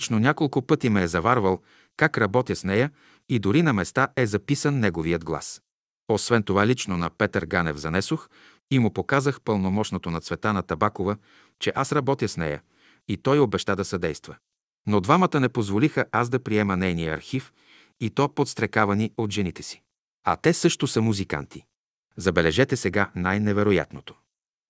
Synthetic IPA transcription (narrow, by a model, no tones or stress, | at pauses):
t͡ʃnonʲakolˠkʊpɤt̪imɛːzɐvaɾvəlˠ | kakɾɐbɔt̪iəsnɛjə | id̪ʊɾinɐmɛst̪aʔɛzɐpisənːɛɡoviəd̪ɡlˠa̰s | osvɛnt̪ovalit͡ʃnonɐpɛt̪əɾɡanɛ̰vzɐnɛsox | imʊpokazəxpəlˠnomɔʃnot̪onɐt̪svɛt̪anɐt̪ɐbakovə | t͡ʃɛʔasɾɐbɔt̪iəsnɛ̰jə̰ | it̪ɔjobɛʃt̪ad̪ɐsɐd̪ɛjst̪və | nod̪vamət̪ənɛpozvolixəʔasd̪ɐpɾiɛmənɛjnijəɐ̰ɾxif | it̪ɔpot̪st̪ɾɛkavɐniot̪ʒɛnit̪ɛsi̥ | ɐ̰t̪ɛsɤʃt̪osɐmuzika̰nt̪i | zɐbɛlɛʒɛt̪ɛsɛɡanajnɛvɛɾoja̰t̪not̪o̥